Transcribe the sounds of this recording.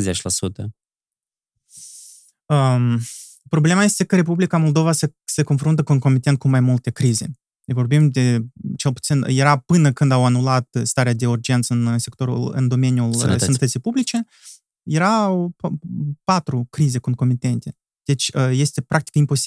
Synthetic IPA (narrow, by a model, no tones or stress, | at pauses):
zet͡ʃʲlasut̪ə | əm | pɾo̞ble̞maje̞st̪e̞kəɾe̞publikamo̞lˠd̪o̞vasese̞ko̞nfɾunt̪əkounko̞mit̪e̞nt̪̚kumajmult̪e̞kɾize̞̰ | vo̞rbimd̪e̞t͡ʃe̞lput̪sinjeɾapɨnəkɨnd̪awanulat̪st̪aɾead̪e̞urd͡ʒe̞nt̪sɨnse̞kt̪o̞ɾṵlɨ̰nd̪o̞me̞njulsənət̪ət̪sijpublit͡ʃe̞ | je̞ɾaw | pat̪ɾukɾize̞konko̞mit̪e̞nt̪e̞ | d̪̥e̞t͡ʃʲəje̞st̪e̞pɾʔakt̪i̥kimpo̞si̥